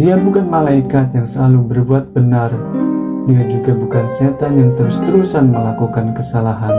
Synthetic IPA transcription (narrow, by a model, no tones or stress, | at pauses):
diabukanmalaikat̪jaŋsəlalubərbuat̪̚bənar | diad͡ʒuɡabukanset̪anjaŋt̪əɾust̪əɾusanməlakukankəsalaɦan